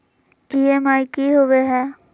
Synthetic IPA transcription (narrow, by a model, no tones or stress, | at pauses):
iːɛmaːɪkiɦoʋeɦɛː